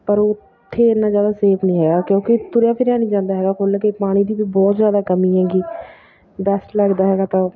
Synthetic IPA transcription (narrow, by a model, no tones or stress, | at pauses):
pəɾʊ | t̪ʰːeːɪnãːzjaːd̪aːseːpʰnĩːɦɛːɡaːkjõːkɪt̪ʊɾjaːpʰɪɾjaːnĩːd͡ʒãːnd̪aːɦɛːɡaːkʰoːlːkepaːɽ̃ĩːd̪iːbiːbɔːt̪zjaːd̪aːkəmĩːãːɡiː | bɛsʈləɡd̪aːɦɛːɡaːt̪ãː